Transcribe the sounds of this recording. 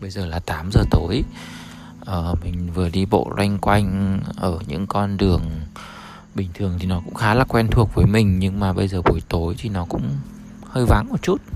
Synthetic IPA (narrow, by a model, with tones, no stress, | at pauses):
ɓə˧jzəː˨˩laː˨˩t̪aː˨˦mzəː˨˩t̪o˨˦j | ʔəː˨˩mï˨˩ŋ̟vɨ˨˩əɗi˧ɓo̰˧˨zwa˧jŋ̟kwa˧jŋ̟ʔəː˧˩ɲɨ̰˧˥ŋkɔ˧nɗɨ˨˩əŋ | ɓï˨˩ŋ̟t̪ʰɨ˨˩əŋt̪ʰi˨˩nɔ˨˦kʊ̰˧˥ŋ͡mxaː˨˦laː˨˩kwɛ˧nt̪ʰu˨˩ək̚vəː˨˦jmï˨˩ŋ̟ɲɨ˧ŋmaː˨˩ɓə˧jzəː˨˩ɓu˨˦jt̪o˨˦jt̪ʰi˨˩nɔ˨˦kʊ̰˧˥ŋ͡m | həː˧jva˨˦nʔəː˧˩t͡ɕu˦˥t̚